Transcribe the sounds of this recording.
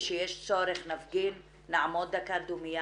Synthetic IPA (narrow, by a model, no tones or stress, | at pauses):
ʃejeʃt͡soɾeχnafɡinː | aʕamod̪ːakad̪umija